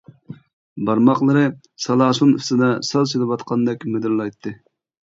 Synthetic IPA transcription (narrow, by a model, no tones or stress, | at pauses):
bɑɾmɑqlˠɨɾɨ | sɑlˠɑːʃuny̰st̪ɨd̪ɑsɑlˠselɨpwɑt̪qʰɑnd̪ɛkʲmed̪ɪɾlˠɑjt̪ʰːɨ